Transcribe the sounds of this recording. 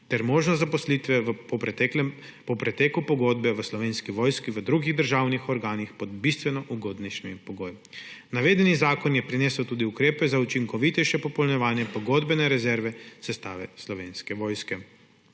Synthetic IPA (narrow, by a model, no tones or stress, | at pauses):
t̪ɛɾmoːʒnɔzapɔslit̪ʋɛpɔɛɛ | pɔpɾɛt̪eːkupɔɡoːd̪bɛʋəslɔʋeːnskiʋoːjskiʋəd̪ɾuɡiɣd̪əɾʒaːwnixɔɾɡaːnixpɔd̪̚bist̪ʋɛnɔʔuɡoːd̪nɛʃɛmimpɔɡoːj | naʋeːd̪ɛnizaːkɔnjɛpɾineːsəwt̪uːd̪iukɾeːpɛzaut͡ʃiŋkɔʋit̪ɛjʃɛpɔpɔlnɛʋaːnjɛpɔɡoːd̪bɛnɛɾɛzɛɾʋɛsɛst̪aːʋɛslɔʋeːnskɛʋoːjskɛ